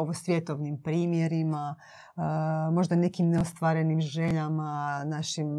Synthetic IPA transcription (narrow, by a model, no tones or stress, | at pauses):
oʋosʋjet̪oʋnimpɾiːmjeɾima | mo̞ʒd̪ane̞kimneost̪ʋaɾe̞nimʒe̞ʎamanaʃim